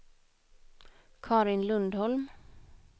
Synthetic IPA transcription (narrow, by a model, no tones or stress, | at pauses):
kʰɑːɾɪnlɵnd̪hɔlm